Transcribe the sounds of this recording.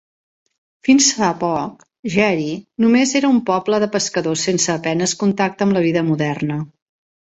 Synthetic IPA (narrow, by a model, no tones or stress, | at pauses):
finsfapɔk | ʒɛɾinumezeɾəumpɔbləðəpəskəðosensəːpɛnəskunt̪ak̚t̪əmləβ̞iðəmuðɛrnə